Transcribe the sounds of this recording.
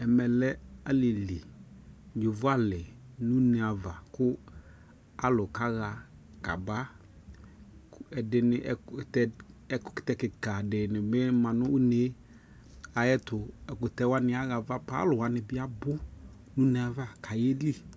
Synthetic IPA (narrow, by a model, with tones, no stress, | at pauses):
ɛ˨mɛ˨lɛ˦a˦lɪ˨li˨ | d͡ʒʊ˨vʊ˦a˦lɪ˨ | nʊ̃˦ne˨a˨va˨kʊ˦ | a˦lʊ˨ka˦ɣa˨ | ka̰˨ba˦ | ɛ˨dɪ˦nɪ˦ʔɛ˨˦˨tɛ˦ɛ˦kʊ̥˦kɪ̥˨tɛ˦kɪ˨ka˨dɪ˨nɪ˨bɪ˦mã˨nʊ˦ʊ˦ne˨˦ | a˨jɛ˦tʊ˨ɛ˨kʊ˨tɛ˦wa˦nɪ˦a˦ɣa˨va˦pa˦lʊ˨wa˦nɪ˨bɪ˦a˦bʊ˦ | nʊ˦ne˨a˨va˨kʰa˨je˦li˦